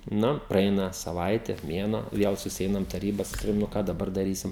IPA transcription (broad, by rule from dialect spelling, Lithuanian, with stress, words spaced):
ˈnʊ prɐˈɛɪnɐ sɐˈʋɐɪtʲɛ ˈmʲeːnuɔ ˈʋʲiɛlˠ sʊsʲɪˈɛɪnɐm tɐˈrʲiːbɐ sɐˈkɐʊ nʊ ˈkɑː dɐˈbɐr dɐˈrʲiːsʲɪm